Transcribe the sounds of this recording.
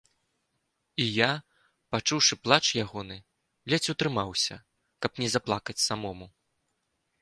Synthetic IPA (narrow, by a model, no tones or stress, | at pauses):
ija | pat͡ʂuwʂɨplˠat͡ʂjaɣɔnɨ | lʲɛt͡sʲut̪ɾɨmawsʲɐ̰ | kɐpnʲɛzɐplˠakɐt͡sʲsamɔmu